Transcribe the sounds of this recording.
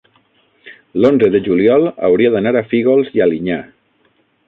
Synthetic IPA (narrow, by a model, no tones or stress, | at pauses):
lonzəðeʒuliɔlˠa̰wɾiaðanaɾafiɣolˠzialiɲa